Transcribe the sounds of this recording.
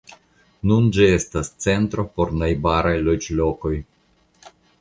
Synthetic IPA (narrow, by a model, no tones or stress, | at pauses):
nund͡ʒie̞stast͡se̞ntɾo̞po̞ɾnajbaɾajlod͡ʒlo̞ko̞j